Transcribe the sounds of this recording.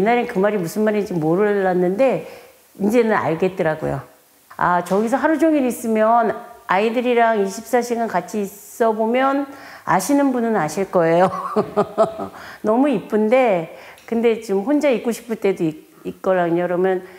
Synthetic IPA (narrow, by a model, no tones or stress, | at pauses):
jenːaɾekɯmaɾimusʰɯnmaɾid͡ʑimːoɾɯɭːanːɯnde̞ | ind͡ʑe̞nɯna̰ɭɡe̞t̚t͈ɯɾaɡo̰jo̰ | a̰t͡ɕʌɡis̬ʰʌɦaɾud͡ʑoŋiɾis͈ɯmjʌnaidɯɾiɾaŋiɕʰip̚s͈aɕʰiɡankat͡ɕʰiːs͈ʌbomjʌna̰ɕʰinɯnbunɯnaɕʰiɭk͈ʌe̞jo | nʌmuip͈ɯnde̞kɯnde̞t͡ɕmɸond͡ʑaik͈oɕʰi̥pʰɯɭt͈e̞doi | ik͈ʌɾaŋɲoɾʌmjʌn